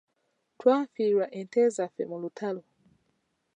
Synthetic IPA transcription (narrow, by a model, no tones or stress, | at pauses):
twaːfiɾwaʔɛntɛzafɛ̰mulutʰalɔ